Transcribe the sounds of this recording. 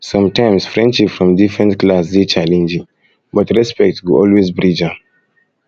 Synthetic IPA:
sɔ̃mtãɪ̃msfɹɛ̃ndʃipfɹɔ̃mdifɹɛ̃ntklasdet͡ʃalɛ̃nd͡ʒĩŋ | bɔtɹɛspɛk̚tɡuɔlwezbɹid͡ʒa

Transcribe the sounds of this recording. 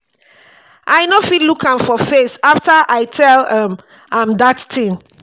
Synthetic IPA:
ʔaɪnofidlukãmfɔfesaftaʔaɪtʰɛlãm | ãmdatːʰĩn

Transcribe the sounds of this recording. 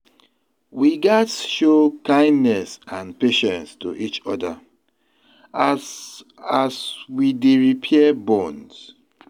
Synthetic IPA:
wiɡɛtʃokãɪ̃ndnɛsãnpeʃɛ̃nstṵʔit͡ʃɔda̰ | aswideɹipʰiɛbɔ̃ns

